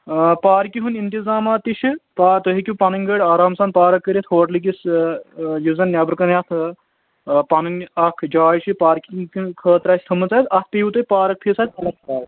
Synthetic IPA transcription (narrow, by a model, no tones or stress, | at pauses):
paːɾkiɦunint̪izaːmaːt̪iʃipaːt̪oɦikʲupɐnɐŋʲɡəɽʲaːɾaːmsɐːnpaːɾɐkːɐɾʲɐt̪ʰhoːʈlik̬is | juzɐnːʲjaːbɐɾkɐnjɐt̪ʰ | pɐnɐnʲɐkʰd͡ʒaːjʃʰipaːɾkiŋkkʰəːt̪ɾaːsʰʲt̪ʰɐmɨt͡saːsʰɐt̪̚ʰpeːʋut̪ɐpaːɾɐk̚pʰiːsaːt̪ʲɐlɐkʰtaːj